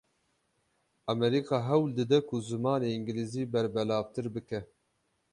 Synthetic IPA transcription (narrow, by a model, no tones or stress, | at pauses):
ɑmɛɾiːkɑːɦɛwld̪ɨd̪ɛkʰʊzɨmɑːneːiŋɡiliziːbɛɾbɛlɑːvt̪ɨɾbɨkɛ